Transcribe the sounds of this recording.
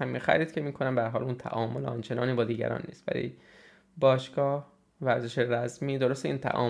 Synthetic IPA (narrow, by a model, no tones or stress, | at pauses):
æmixæ̰ɾiːd̪̥̚cʰe̞miːkʰonæmb̪æɾɦɒːlunt̪ʰæ̰ʔɒːmolɒnt͡ʃʰe̞nɒ̰ːniːbɒːd̪iːɟæ̰ɾɒ̰ːnːḭːst̪væ̰ɾḭ | bɒːʃɡɒːh | væɾzeʃeɾæzmiːd̪o̞ɾost̪eiːnt̪ʰæ̰ʔɒ̰ː